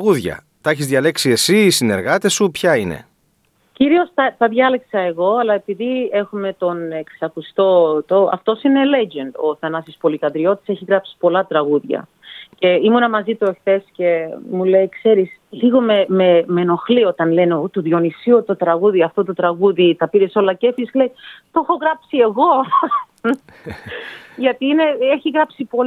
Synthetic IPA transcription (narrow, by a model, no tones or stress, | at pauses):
ɣuðʝɐ̰ | t̪ɐçizðʝɐle̞ksie̞sisine̞ɾɣɐt̪e̞supçɐine̞̰ | ciɾio̞sθɐθɐðʝɐleksɐe̞ɣo̞ɐlɐepiðie̞xume̞t̪o̞neksɐkust̪o̞t̪oɐ̰ft̪o̞sine̞le̞d͡ʒend̪o̞ːθɐnɐsispo̞likɐnd̪ɾio̞t̪i̥se̞çiɣɾɐpsi̥po̞lɐt̪ɾɐɣuðʝɐ̰ | ce̞imunɐmɐzit̪oexθe̞sce̞mule̞jkse̞ɾisliɣo̞mememeno̞xlio̞t̪ɐnle̞net̪uðjo̞nisiot̪o̞t̪ɾɐɣuðiɐft̪ot̪ot̪ɾɐɣuðit̪ɐpiɾeso̞lɐce̞fisle̞jt̪o̞xo̞ɣɾɐpsie̞ɣo̞ | ʝɐt̪iine̞eçiɣɾɐpsipo